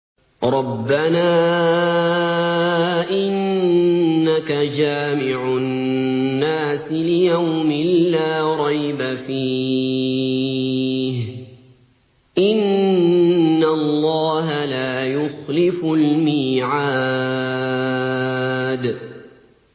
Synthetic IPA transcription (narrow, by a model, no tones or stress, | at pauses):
ɾˤɑbːanaː | ʔɪnː | akad͡ʒaːmɪʕʊ | nːaːsɪlɪjawmɪlːaːɾˤɑjbafiː | h | ʔɪnː | alˤːɑːɦalaːjʊxlɪfʊlmiːʕa | d̪